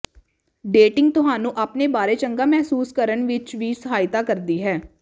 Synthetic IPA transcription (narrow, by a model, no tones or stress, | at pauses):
ɖeːʈɪ̃ŋɡ̚t̪ʊɦaːnũːʔaːpneːbaːɾeːt͡ʃəŋɡaːmɛɦsuːskəɾənʋɪt͡ʃʋiːsəɦaːɪt̪aːkəɾd̪iːɦɛː